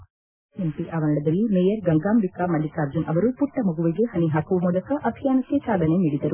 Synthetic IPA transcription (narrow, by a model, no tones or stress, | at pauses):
empiʔaːʋɐnɐɽɐd̪ɐlːimejɐɾɡɐŋɡaːmbikamɐlikaːɾd͡ʒinʔɐʋɐɾupuʈːɐmuɡuʋiɡeɦɐniɦaːkuʋɐmuːlɐkɐʔɐb̪ʱijaːnɐkːesaːd̪ʱɐneniːɽid̪ɐɾu